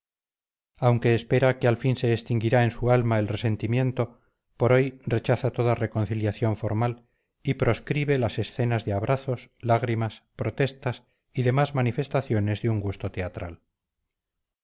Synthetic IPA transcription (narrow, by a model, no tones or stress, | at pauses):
awŋke̞ːspe̞ɾakealfinse̞ːst̪iŋɡiɾae̞nsualmae̞lre̞se̞nt̪imjẽ̞nt̪o | po̞ɾo̞jre̞t͡ʃaθat̪o̞ðare̞ko̞n̟θiljaθjo̞ɱfo̞ɾmal | ipɾo̞skɾiβe̞lase̞sθe̞nazðeaβ̞ɾʔaθo̞slaɣ̞ɾimaspɾo̞t̪e̞st̪as | iðe̞mazmanife̞st̪aθjo̞ne̞zðeuŋɡust̪o̞t̪e̞at̪ɾa̰l